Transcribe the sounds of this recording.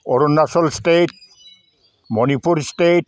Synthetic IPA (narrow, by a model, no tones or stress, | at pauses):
oɾonːasolsʈeʈ̚ | monipuɾsʈeʈ̚